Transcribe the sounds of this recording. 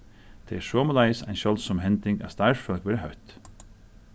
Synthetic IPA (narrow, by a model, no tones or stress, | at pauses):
t̪ʰɛɪsɔːməlajsa̰jnʃjɔlsɔmɦɛnt̪ɪŋɡa̰st̪aɹfœlkʋɛːɾəɦœɥt̪